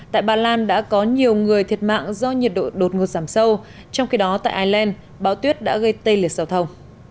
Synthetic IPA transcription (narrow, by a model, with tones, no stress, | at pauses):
t̪a̰ː˧˨jɓaː˧laː˧nɗa̰ː˧˥kɔ˨˦ɲi˨˩əwŋɨ˨˩əjt̪ʰi˨˩ət̚ma̰ː˧˨ŋzɔ˧ɲi˨˩ət̚ɗo̰˧˨˩ɗo˨˩t̚ŋo˨˩t̚zaː˧˩msə˧w | t͡ɕɔ˧wŋ͡mxi˧ɗɔ˨˦t̪a̰ː˧˨jʔaː˧jlɛ˧n | ɓaː˨˦wt̪wət̚ɗa̰ː˧˥ɣə˧jt̪ə˧jli˨˩ət̚zaː˨˩wt̪ʰə˨˧˩wŋ͡m